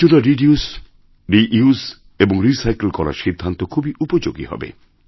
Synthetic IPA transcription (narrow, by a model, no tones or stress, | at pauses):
unaɾiɖius | ɖiʔius | ebɔŋɾisajkelkɔɾa̰ɾʃid̪ʱːant̪ɔkʰubiʔupɔd͡ʒoɡḭɦɔ̰bḛ